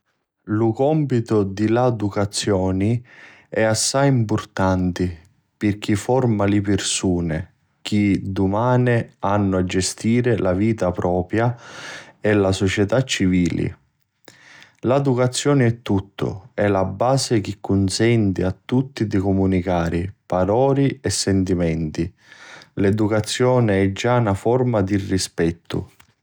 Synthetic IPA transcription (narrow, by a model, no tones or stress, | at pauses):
lʊkɔmpit̪ʊd̪ilad̪ukat̪sːjɔːni | ɛasːajimpʊrt̪ant̪ɪ | pɪrk̟ifɔrmalɪpɪrsuːnɪ | k̟ʰid̪ʊmaːnɪanːʊad͡ʒːɛst̪iːɾɪlaviːt̪apɾɔːpɾja | ɛlasɔt͡ʃɛt̪at͡ʃːiviːlɪ̰ | lad̪ukat̪sːjɔːnɪɛt̪ːut̪ːʊ̰ɛlabːaːsek̟ɪkːʊnsɛnt̪ɪat̪ːut̪ːid̪ikʊmunikaːɾɪpaɾɔːɾiɛsːɛnt̪imɛnt̪i | led̪ukat̪sːjɔːnɪɛd͡ʒːanafɔrmad̪irːispɛt̪ʰːʊ̰